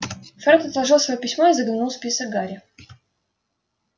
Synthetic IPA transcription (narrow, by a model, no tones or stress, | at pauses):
fɾɛnt̪ət̪lˠɐʐɨlˠsvɐjopʲɪsʲmoizəɡlʲɪnulˠspʲisək̚ɡaɾʲɪ